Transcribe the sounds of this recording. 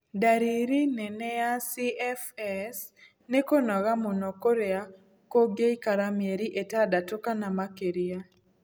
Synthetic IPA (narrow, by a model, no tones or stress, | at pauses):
daɾiɾinɛnɛjasiɛfɛs | nekonɔɣamonɔkoɾea | koɡeikaɾamjeɾiʔetadatokanamakeɾia